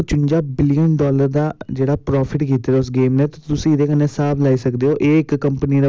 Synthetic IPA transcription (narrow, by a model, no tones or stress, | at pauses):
t͡ʃʊɲd͡ʒaːbɪlɪjənɖɔːləɾd̪aːd͡ʒeːɽaːpɾɔːpʰɪʈkiːt̪eːɾaːʊs̬ɡeːmneːt̪ːt̪ʊsĩːd̪eːkəneːsaːplaːiːsəkd̪eːɦoːʔeːɪkːəmpəniːɾaː